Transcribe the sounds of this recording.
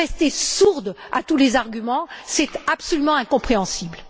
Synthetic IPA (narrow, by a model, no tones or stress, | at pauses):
ɛst̪esuʁd̪ | a̰t̪ulezaʁɡʲymɑ̃sɛt̪apsɔlymɑ̃ɛ̃kɔ̃pχeɑ̃sibl